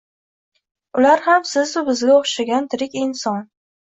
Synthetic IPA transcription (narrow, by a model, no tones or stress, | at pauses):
ʊlaɾhamsɪzʊbɪzɡʲaoχʃaɡʲant̪ʰɪɾɪkʲɪnsɒn